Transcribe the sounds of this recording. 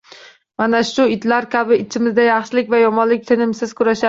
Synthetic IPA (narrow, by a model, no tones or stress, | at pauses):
manaʃʊɪt̪laɾkʲʰabɪɪt͡ʃʰɪmɪzd̪ajɑχʃɪlɪkʲvajɒmɒnlɪk̚ʲt̪ʰɪnɪmsɪz̥kʰʊɾaʃa